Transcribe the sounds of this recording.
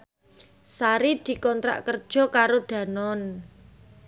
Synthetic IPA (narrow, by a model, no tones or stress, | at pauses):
saɾid̪̥i̤kɔnt̪ɾa̰ʔkərd̥ʒ̥ɔ̤kaɾoɖ̥ä̤nɔn